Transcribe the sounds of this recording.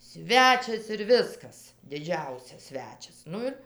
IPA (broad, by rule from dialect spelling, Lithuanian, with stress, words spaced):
ˈsʲʋʲæːt͡ʃʲɛs ɪr ˈʋʲɪskɐs dʲɪˈd͡ʒʲɛʊsʲɛs ˈsʲʋʲæːt͡ʃʲɛs ˈnʊ ɪr